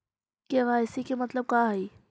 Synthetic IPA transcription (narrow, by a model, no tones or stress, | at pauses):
keɣaːjsikemɐt̪ləb̚kaːɦɛiː